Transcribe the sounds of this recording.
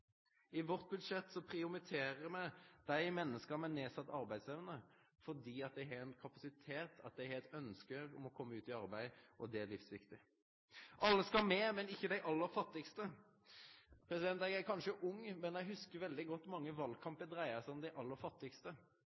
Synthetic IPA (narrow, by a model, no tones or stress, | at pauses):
ɪʋɔʁt̪̚bʉd̪ʂɛt̪ːsɔpʰɾɪʊmɪt̪ʰeːɾəɾmæɪd̪̥æɪmɛnːəskəmɛneːsɑt̪ːɑɾbæɪd̪sɛʋnə | fɔd̪iːɑt̪̚d̪ɛɪɦɛɛnkʰɑpɑsɪt̪ʰeːt̪ʰɑ̰t̪̚d̪æɪhɛɛt̪œnskəɔmɔkʰɔmːəʉːt̪ɪɑɾbæɪʔɔd̪ɛælɪfsʋɪkt̪ɪ | ʔɑlːəskɑlmɛːmɛnɪçːəd̪æɪʔɑlːəɾfɑt̪ːɪkst̪ə | pʰɾɛsɪd̪ɛnt̪ɛɡækʰɑnʂəʔʊŋːmɛnɛɦʉskəɾʋɛld̪ɪɡɔt̪ːmɑŋːəʋɑlkʰɑmpəd̪ɾæɪəsɔmd̪æɪʔɑlːəɾfɑt̪ːɪkst̪ə